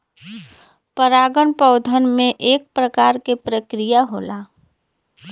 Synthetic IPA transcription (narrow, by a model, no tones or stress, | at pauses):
pəɾaːɡəɳpəʊd̪ʱənmẽʔeːk̚pɾəkaːɾkepɾəkɾijaɦoːlaː